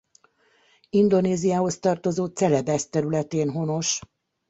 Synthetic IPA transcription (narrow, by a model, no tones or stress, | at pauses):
ind̪o̞neːzijaːho̞st̪ɒrt̪o̞zoːt̪sɛlɛbɛst̪ɛɾylɛt̪eːnɦo̞no̞ʃ